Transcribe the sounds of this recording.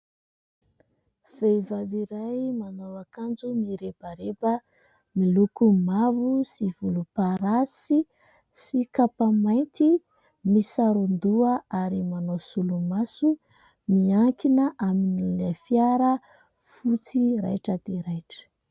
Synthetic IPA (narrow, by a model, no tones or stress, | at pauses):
v̥ejvaviɾajmanowakand͡zumiɾebaɾebə | milukumavusivulupaɾasi | sikapamajnt̪i | misaɾund̪uəaɾimanosulumasu | miaŋkinəʔaminilefjaɾə | fut͡siɾa̰jʈ͡ʂəd̪̥eɾajʈ͡ʂə̥